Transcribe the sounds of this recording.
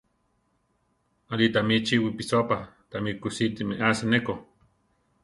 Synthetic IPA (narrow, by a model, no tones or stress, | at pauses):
alit̪amit͡ʃiwipisopat̪amikːusit̪imeʔasaneko